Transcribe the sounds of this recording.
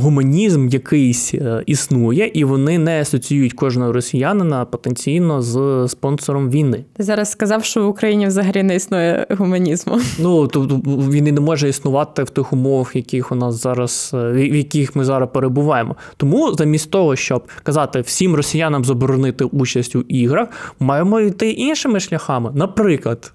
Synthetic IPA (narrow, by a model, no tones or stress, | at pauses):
ɦʊmɐnʲizmjɐkɪjsʲisnujɛʔiʋɔnɪnɛɐsɔt͡sʲijujʊtʲkɔʒnɔɦɔɾɔsʲijanɪnɐpɔt̪enʲt͡sʲijnɔzspɔnsɔɾɔmʋʲijnɪt̪ɪzɑɾɐsskɐzɑwʃt͡ʃɔʋʊkɾɐjinʲiwzɐɦɐlʲinɛisnujɛ̰ɦʊmɐnʲizmʊ̰nut̪ɔt̪ʋʲinɪnɛmɔʒɐisnʊʋɑt̪ɪwt̪ɪxʊmɔʋɐxjɐkʲɪxʊnɑszɑɾɐsjɐkʲixmɪzɑɾɐspeɾebʊʋɑjemʔɔ | t̪ɔmuzɐmʲisʲtʲt̪ɔɦɔʃt͡ʃɔb̚kɐzɑt̪ɪw̥sʲimrɔsʲijanɐmzɐbɔɾɔnɪt̪ɪʔut͡ʃɐsʲtʲʊʔiɦɾɐxmɑjemɔijt̪ɪʔinʃɪmɪʃlʲɐxɑmɪnɐpɾɪklˠɐd̪̥